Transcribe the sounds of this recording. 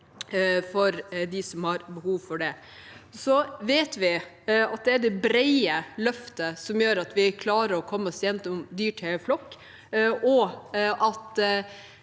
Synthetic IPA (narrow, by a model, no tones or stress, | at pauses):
fɔɾd̪ɪsɔmhɑɾbəhuːʋfɔɖɛ | sɔʋeːt̪ʋɪ | ɑt̪̚d̪ɛæɖ̪ɛbɾɛɪəlœft̪əsɔmjøːɾɑt̪ʋɪkʰlɑːɾəɾɔkʰɔmːəɔsjɛnt̪ɔmd̪yːʈʰɛflɔkː | ʔɔʔɑt̪